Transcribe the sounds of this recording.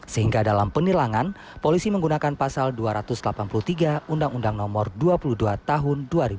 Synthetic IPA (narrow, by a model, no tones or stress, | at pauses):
səhiŋɡadalampənilaŋan | polisiməŋɡunakanpasalduaɾat̪ʊslapanpulut̪iɡaundaŋundaŋnɔmɔrduapuluduat̪aɦʊnduaɾib